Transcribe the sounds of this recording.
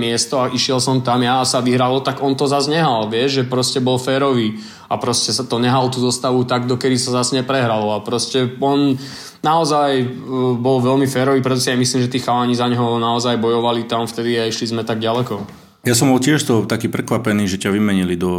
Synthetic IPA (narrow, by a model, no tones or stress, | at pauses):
mɪɛst̪ɔaʔiʃɪɛlsɔmt̪amjasaʋiɦɾalɔt̪aɡɔnt̪ɔzazɲɛɦalʋɪɛʒʒɛpɾɔscɛbɔlfɛːɾɔʋiː | apɾɔscɛsat̪ɔɲɛɦalt̪uːzɔst̪aʋut̪aɡ̚d̪ɔkɛd̪isazazɲɛpɾɛɦɾalɔapɾɔscɛɔn | naɔzajbɔlʋɛlmifɛːɾɔʋiːpɾɛt̪ɔsɛjamisliːmʒɛt̪iːxaʋaɲizaɲɦɔnaɔzajbɔjɔʋalit̪amft̪ɛd̪iaiʃlizmɛt̪aɡɟalɛkɔ | jasɔmbɔlcɪɛʃt̪ɔt̪akiːpɾɛkʋapɛniːʒɛcaʋimɛɲilid̪ɔ